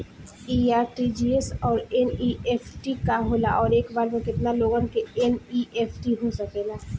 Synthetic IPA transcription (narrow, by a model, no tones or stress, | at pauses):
iːaːɾʈid͡ʒiesɔːɾɛnieːfʰʈikaɦoːla̰ʔɔːɾeːkbaːɾmẽkɪt̪naloːɡə̃nkeɛniʔeːpʰʈiɦosɐkẽːlaː